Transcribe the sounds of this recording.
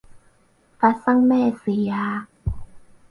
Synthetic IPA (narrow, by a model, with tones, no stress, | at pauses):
fa˧˦˥sa˥˨ŋmɛː˥˨si˨˦aː˧˦